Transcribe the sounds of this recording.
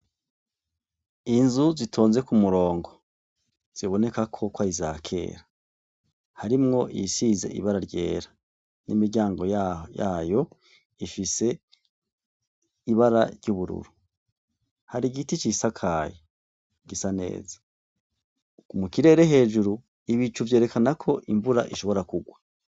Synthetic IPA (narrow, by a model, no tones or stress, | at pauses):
inzuzitʰo̞ːnze̞kumuɾo̞ːŋɡo̞ | z̥iβo̞ne̞kakʰo̞kwaizaːkʰe̞̰ːɾa | haɾimŋo̞ʔḭsize̞̰ʔḭβaɾaɾɟe̞̰ːɾa | nḭmiɾɟaːŋɡo̞jjaːjo̞ | ifise̞ | iβaɾaɾɟuβuɾṵɾu | haɾiɡitit͡ʃisakʰaːje | ɡ̥isane̞̰ːzḁ | umukiɾe̞ːɾe̞ɦe̞ːʒuɾu | iβit͡ʃuvje̞ːɾe̞kanakʰo̞ʔiɱvuɾa̰ʔiʃo̞βo̞ɾakuɡwa